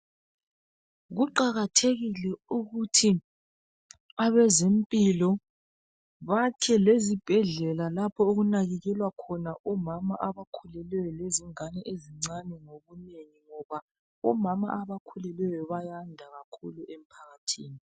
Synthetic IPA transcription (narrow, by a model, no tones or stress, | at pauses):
ɣuǃaɣatʰeɣilɛuɣutʰi | aβɛzempʼilɔ | βakʰɛlezib̥ʱɛɮɛlalapʰɔoɣunaɣɛɣɛlwakʰɔnaʔɔmamaʔaβakʰulɛlwɛjɔleziŋanɛʔeziŋ͡ǀanɛŋoβuneŋiŋɔβa | ɔmama̰ʔaβakʰulɛlɛjɔβajandʱaɣakʰuluʔem̩pʰaɣatʰiːni